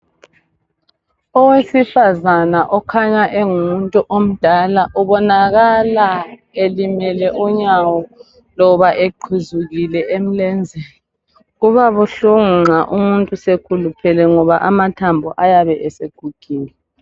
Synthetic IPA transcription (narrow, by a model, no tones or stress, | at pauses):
ɔwesifazanaʔɔkʰaɲaʔeŋumuntʼuʔom̩d̥ʱalaʔuβɔnaɣala | elimɛlɛʔuɲawɔ | lɔβaʔeǃʰuzuɣilɛʔem̩lɛnd͡zʱɛ | ɣuβaβuɬuŋŋ͡ǁaʔumuntʼusekʰulupʰɛlɛŋɔβaʔamatʰambʱɔʔajaβɛʔɛseɡ̥ʱuɡ̥ʱiːni